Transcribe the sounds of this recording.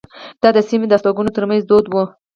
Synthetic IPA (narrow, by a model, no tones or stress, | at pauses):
d̪̥ɑd̪əsimed̪əast̪ɑɡunot̪əɾmanzd̪od̪wu